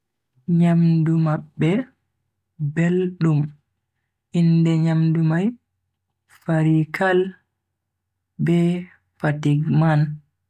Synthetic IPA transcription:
ɲamdumaɓːɛ | belɗum | ʔindɛɲamdumaj | faɾikʰal | bɛ | fatiɡman

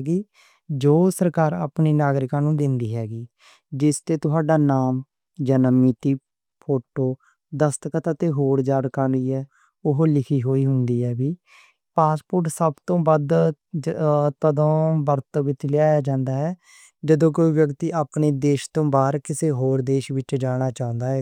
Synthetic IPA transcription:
ɡiː | d͡ʒoːsəɾkaːɾa̰ːpniːnaːɡɾɪkãːnũːd̪ɪnd̪iːɦɛːɡiː | d͡ʒɪst̪eːt̪ʊɦaːɖaːnaːm | d͡ʒaːnəmit̪iː | pʰoːʈoː | d̪əst̪kət̪ət̪eːɦoːɾd͡ʒaːɽkaːnd̪iːɛː | ʊɦlɪkʰiːɦoːiːɦʊnd̪iːɦɛːbiː | paːspʊɾʈsəbt̪õːbəd̪ | t̪əd̪õːbəɾt̪ːʋɪt͡ʃlɪjaːjaːd͡ʒãːnd̪aːɦɛː | d͡ʒəd̪õːkoːiːʋjəkt̪iːʔaːpɳiːd̪eːʃt̪õːbaːɾkɪseːɦoːɾd̪eːʃʋɪt͡ʃd͡ʒaːɽ̃aːt͡ʃãːnd̪aːɦɛː

